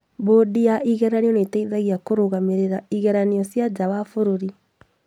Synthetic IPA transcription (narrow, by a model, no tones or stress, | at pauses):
bodiaʔiɣɛɾaniɔnetaiðaɣiakoɾoɣameɾeɾaiɣɛɾaniɔsjad͡ʒawafoɾoɾi